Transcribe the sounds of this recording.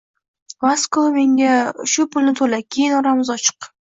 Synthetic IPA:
vaskome̞ŋɡʲaʃʊpʰʊlnɪt̪ʰolakʲʰe̞jɪnɒɾamɪzɒt͡ʃʰɨ̥q

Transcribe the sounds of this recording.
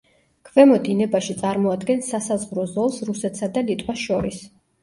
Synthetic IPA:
kʰvɛmɔd̪inɛbaʃit̪sʼaɾmɔad̪ɡɛnsasazʁɾɔzɔlˠsɾusɛt̪ʰsad̪alit̪ʼwasʃɔɾis

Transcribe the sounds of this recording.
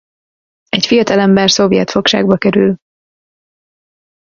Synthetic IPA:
ɛcfijɒt̪ɒlɛmbɛrso̞vijɛt̪fo̞kʃa̰ːɡbɒkɛɾyl

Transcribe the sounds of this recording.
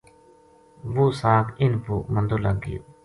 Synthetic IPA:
vusakinpuʔmənd̪olaɡḭ

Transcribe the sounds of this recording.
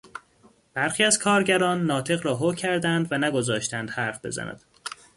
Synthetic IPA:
b̥æɾxiːæzkʰɒːɾɟæɾɒːnːɒːt̪ʰe̞ɣɾɒːɦocʰæɾd̪ænd̪vænæɡo̞zɒːʃt̪ʰænd̪̥hæɾfb̥e̞̰zæ̰næ̰d̪̥

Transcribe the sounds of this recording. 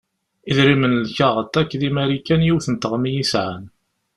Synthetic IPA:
iðɾimənlçæʁət̪ːækːðimæɾikːænjiwθənt̪əʁmijisʕan

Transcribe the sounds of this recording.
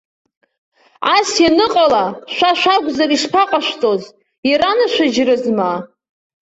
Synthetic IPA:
asjanɨqʼalaʃʷaʃʷaɡʷzariʃpʰaqʼaʃʷtʼoz | jaɾanɨʃʷad͡ʒrɨzma

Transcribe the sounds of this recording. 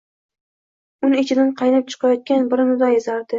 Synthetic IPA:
ʊnɪt͡ʃʰɪd̪anqʰɑjnɪp̚t͡ʃʰɨ̥qʰɑjɒt̪̚kʲanbɪɾɪnʊd̪ajɪzaɾd̪ɪ

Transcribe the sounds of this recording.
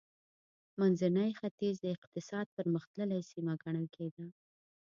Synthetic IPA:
manzanajxat̪izd̪əɪqt̪ɪsɑd̪̚pəɾməxt̪ləlajsimaɡaɳəlkʰed̪a

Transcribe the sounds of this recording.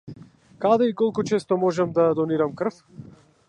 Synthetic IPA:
kad̪ɛikɔlˠkut͡ʃɛst̪ɔmɔʒɛmd̪ad̪ɔniɾamkr̩f

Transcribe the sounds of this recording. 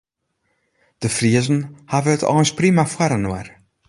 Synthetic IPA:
d̥əfriəzn̩havəətʰɔ̰ːənsprimafwaɾənwər

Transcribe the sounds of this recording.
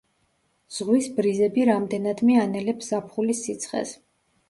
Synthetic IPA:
z̥ʁwisbɾizɛbiɾamd̪ɛnad̪mianɛlɛpsz̥apʰχulisit̪sʰχɛ̰s

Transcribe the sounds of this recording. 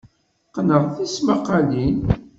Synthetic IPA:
qnəʁθismaqːalin

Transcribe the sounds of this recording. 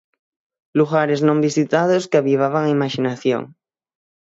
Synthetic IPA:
luɣaɾeznõmbisit̪aðoskeaβiβ̞aβaŋaimaʃinaθjo̰ŋ

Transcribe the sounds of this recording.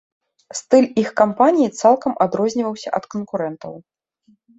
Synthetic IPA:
st̪ɨlʲixkampanʲijit̪salˠkɐmʔad̪ɾɔzʲnʲivɐwsʲɐ̰ʔɐt̪kənkuɾɛnt̪ɐ̰w

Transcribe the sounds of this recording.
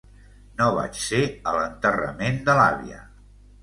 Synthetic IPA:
noβa̰t͡ʃseələnt̪ərə̰mend̪əla̰βḭə̰

